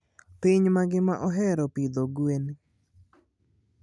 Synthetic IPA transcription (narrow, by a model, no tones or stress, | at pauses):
piɲmaɡɪmaʔɔɦɛɾɔpid̪oɡuen